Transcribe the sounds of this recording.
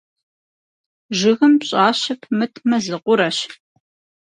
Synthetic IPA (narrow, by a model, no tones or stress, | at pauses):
ʒɪɣɨmpɕʼaːɕɐpʰmɨtʰmɐzɨqʷʊɾɐɕ